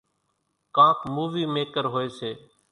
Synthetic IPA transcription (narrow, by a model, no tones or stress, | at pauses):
kãːkmuːʋiːmeːkəɾɦoːeːseː